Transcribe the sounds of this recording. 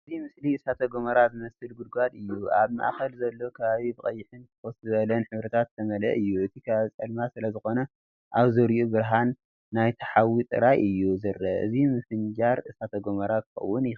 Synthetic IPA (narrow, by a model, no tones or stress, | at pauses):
ʔɨzimɨsliɨsat̪ʰɐɡomɐɾazɨmɐsɨlɡud̪̚ɡad̪ɨjːuaβma̰ʔxɐlzɐlːo̞kʰɐβaβibɨχʼɐjːɪħɨnt̪ʰɨxoszɨβɐlɐnħɨβɾɐt̪ʰat̪ːʰɐmɐlɐ̰ʔɨjːuʔɨt̪ʰikʰaβaβit͡sʼɐlmasɨlɐzɨxo̞nɐ | ʔaβzɨɾiʔubɨɾɦanː | ajt̪ʰɐħawit̪ʼɨ̰ɾajʔɨjːuzɨɾɐ̰ʔɨ̰zimɨsɨnd͡ʒaɾɨsat̪ʰɐɡomɐɾakɨ̥xɐ̰wːʊnjɪ